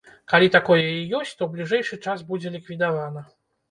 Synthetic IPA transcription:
kalʲit̪akɔjɛjijɔsʲt͡sʲt̪ɔwblʲiʐɛjʂɨt͡ʂasbud͡zʲɛlʲikvʲid̪avanɐ

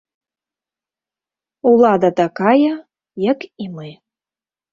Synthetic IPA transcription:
ulˠɑd̪at̪ɑkɑjə | jəkimɨ

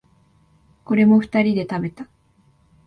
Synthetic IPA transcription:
ko̞ɾe̞mo̞ɸɯ̟̥t̪aɾʲid̪e̞t̪abe̞t̪a

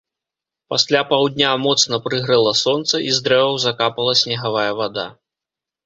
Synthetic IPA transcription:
pasʲlʲapawd̪ʲnʲamɔt̪snɐpɾɨɣɾɨlˠɐsɔnt̪sɐʔizd̪ɾɛvɐwzakapɐlˠɐsʲnʲɛɣavajɐvad̪a̰

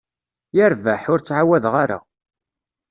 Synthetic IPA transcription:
jəɾvæħʊɾt͡sːʕawæðʁaɾa̰

